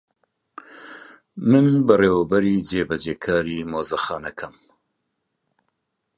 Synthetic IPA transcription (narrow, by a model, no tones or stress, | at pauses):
mɨnbɨreːwɛbɛɾiːd͡ʒeːbɛd͡ʒeːkʰaːɾiːmoːzɐxɑːnɐkʰɐm